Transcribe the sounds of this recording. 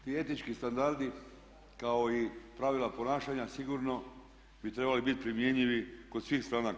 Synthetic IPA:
t̪iːe̞t̪nit͡ʃkist̪and̪aɾd̪i | kao̞ipɾaʋilˠapo̞naːʃaɲasiɡuɾno̞ | bit̪ɾe̞balibit̪̚pɾimje̞ɲʎiʋikod̪sʋiːxst̪ɾaːnak

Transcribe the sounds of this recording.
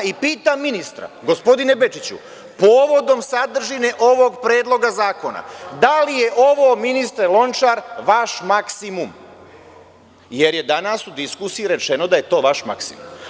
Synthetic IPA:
ipiːt̪amːinist̪ɾa̰ɡo̞spo̞d̪ine̞be̞t͡ʃit͡ɕṵ | poːʋo̞d̪o̞msad̪r̩ʒine̞ʔo̞ʋo̞ɡpɾe̞ːd̪lˠo̞ɡazaːko̞na̰d̪alije̞ʔoʋoːminist̪ɾelˠo̞nt͡ʃaːɾʋaʃmaksimum | je̞ɾje̞d̪anasud̪iskusijiɾe̞t͡ʃe̞no̞d̪aje̞t̪o̞ːʋaʃma̰ksḭmṵm

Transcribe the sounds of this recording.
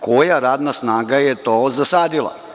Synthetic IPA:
kʰojaɾaːd̪nasnaːɡajet̪oːzasaːd̪ilˠa̰

